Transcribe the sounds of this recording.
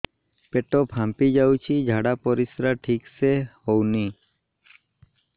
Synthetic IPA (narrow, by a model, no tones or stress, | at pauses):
peʈɔpʰampid͡ʒawt͡ʃʰid͡ʒʱaɽapɔɾisɾaʈʰiksehowni